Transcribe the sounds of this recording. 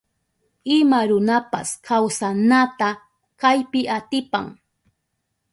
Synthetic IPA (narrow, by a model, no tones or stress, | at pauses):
ɪmaɾʊnapa̰skʰawsanat̪a | kajpɪʔat̪ɪpa̰ŋ